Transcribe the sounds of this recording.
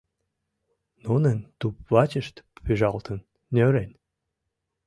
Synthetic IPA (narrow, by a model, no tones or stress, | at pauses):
nunə̆nʲt̪upvɑt͡ɕəʃt̪pyʒɑlt̪ʰə̆n | nʲøɾenʲ